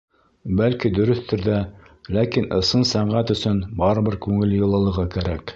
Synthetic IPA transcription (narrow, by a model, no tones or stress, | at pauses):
bælkid̪ɵ̆ɾɵ̆θt̪ɵɾðæ | lækinʔɤ̆sɤnsæɴʁæt̪ɵ̆sɵnbɑɾɤ̆βbɤɾkʉŋɘ̆ljɤ̆lˠɤ̆lˠɤ̆ʁɤkæɾæk